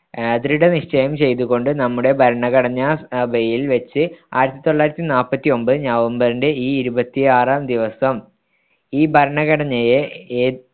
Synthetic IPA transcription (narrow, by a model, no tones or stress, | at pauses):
ed̪ɾiɽeniʂt͡ɕɐjɐmt͡ɕe̞jt̪̬uɣo̞ɳɖɨnɐmːuɽe̞bʱɐɾɐɳɐɣɐɽɐɲːɐɐbɐjilʋet͡ɕːɨa̰ːjiɾɐt̪ːit̪o̞ɭːaːjiɾɐt̪ːinaːlpːɐt̪ːio̞mbɨɲɐʋɐmbɐrinde̞iːiɾubɐt̪ːiaːraːmd̪iʋɐsɐm | iːbʱɐɾɐɳɐɣɐɽɐɲːɐjeː